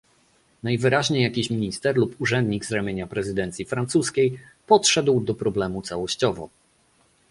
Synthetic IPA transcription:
najvɘɾaʑɲejakʲiɕmʲiɲist̪ɛɾlupuʐɛnd̪ɲiɡzɾamʲjeɲapɾɛzɘd̪ɛnt̪sʲjifɾant̪suskʲej | pɔtʂɛd̪wd̪ɔpɾɔblɛmut̪sawɔɕt͡ɕɔvɔ̰

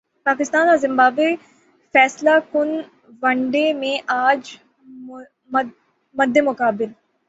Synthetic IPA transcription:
paːkɪst̪aːnɔːɾzɪ̃mbaːbe | fɛːslakʊn | ʋɐɳɖemẽʔaːd͡ʒ | mɐd̪ːemʊkaːbɪl

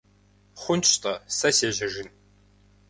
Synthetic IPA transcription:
χʷʊnt͡ʃʰʼt̪ʼɐsɐseːʑɐʒɪn

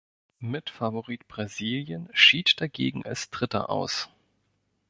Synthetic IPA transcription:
mɪtfavoʁiːtb̥ʁaziːljənʃiːtd̥aɡḛːɡŋ̩ʔa̰lsd̥ʁɪtɐ̰ʔa̰ʊs

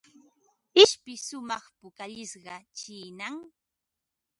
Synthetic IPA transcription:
ɪʃpɪsʊmɑχpʊkaʎɪsɢɑt͡ʃiːnaŋ

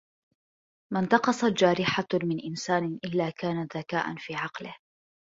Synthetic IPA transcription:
mant̪ɑqɑsˤɑt̪̚d͡ʒaːɾɪħamɪnʔɪnsaːnɪʔɪlːaːkaːnaðakaːʔa̰nfiːʕɑqlɪh

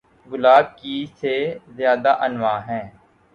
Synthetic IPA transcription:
ɡʊlaːb̚kisezjaːd̪aʔənʋaːɦɛ̃ː

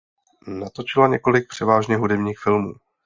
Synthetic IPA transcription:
nat̪o̞t͡ʃɪlaɲɛko̞lɪk̚pr̥ɛvaːʒɲɛɦudɛbɲiːxfɪlmṵː

